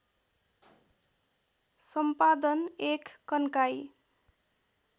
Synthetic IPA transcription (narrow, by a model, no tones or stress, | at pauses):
sʌmpad̪ʌnekːʌnkaj